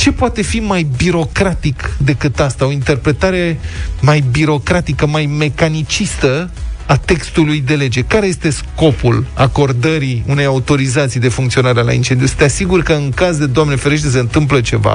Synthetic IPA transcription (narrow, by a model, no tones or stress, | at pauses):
t͡ʃe̞poat̪e̞fimajbiɾo̞kɾat̪ikd̪e̞kɨt̪ast̪ao̞int̪e̞rpɾe̞t̪aɾe̞majbiɾo̞kɾat̪ikəmajme̞kanit͡ʃist̪əat̪e̞kst̪ulujd̪ele̞d͡ʒe̞kaɾeje̞st̪e̞sko̞pulako̞rd̪əɾiune̞jaut̪o̞ɾizat̪sijd̪e̞fuŋkt̪sio̞naɾela̰ḭnt͡ʃe̞nd̪ijusɨ̥t̪easiɡurkəɨŋkazd̪e̞d̪oamnefeɾeʃ̬t̪ses̬eɨnt̪ɨmp̬lət͡ʃe̞va̰